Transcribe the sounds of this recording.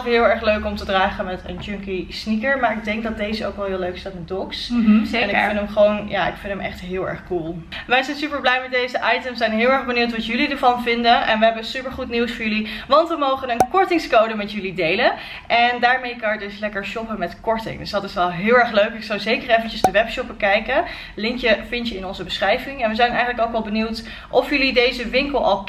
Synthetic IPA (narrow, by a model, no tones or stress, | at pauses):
kɦɪːlˠɛɹχløɥkɔmtədraːχəmɛtə̰nd͡ʒɵŋkisnikəɹmaːɹɪɡ̚dɛŋk̚dɑt̚dejzəo̰wkʋɛlˠɦɪːløɥkɪ̥sdaːtɪndɔksɛnɪkɪnəmχəʋownja̰ːʔɪ̰kfɪntəmɛ̰χtɦɪːlˠɛ̰ɹχkulˠʋɛjzɛjnsypəɹblɛjmɛt̚dejzəʔɑjtəmsɛjnɦɪːlˠɛɹχbəniwtʋɑtjɵlidəɹvɑnvɪndənʔɛnʋəɦɛbənsypəɹχutniwsfɔːɹjʏliʋɑntʋəmowχənənkɔɹtɪŋskowdəmɛtjɵlidejlən | ʔɛndaːɹmejkɑjədɵslɛkəɹʃɔpəmɛtkɔɹtɪ̰ŋdɵsdɑtɪsɛlˠɦɪːlˠɛɹχløɥkɪksɑwzejkərejfəncəzdəʋɛpʃɔp̚bəkɛjkə | lɪŋkjəfɪntjəɪnɔnzəbəsχrɛjvɪŋɛnʋəzɛjnɛjxχənləkoʊkɑlˠbəniwt | ʔɔfjɵlidejzəʋɪŋkəlˠɑ̰lˠ